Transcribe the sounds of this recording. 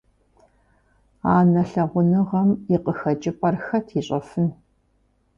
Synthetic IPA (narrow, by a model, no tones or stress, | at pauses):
aːnɐɬɐʁʷʊnɨʁɐmiqəxɐd͡ʒɪpʼɐrxɐtʰiɕʼɐfɨn